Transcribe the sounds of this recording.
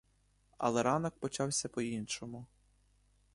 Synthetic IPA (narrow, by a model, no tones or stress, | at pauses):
ɐ̰lˠɛɾɑnɔk̚pɔt͡ʃɑwsʲɐpɔinʃɔmʊ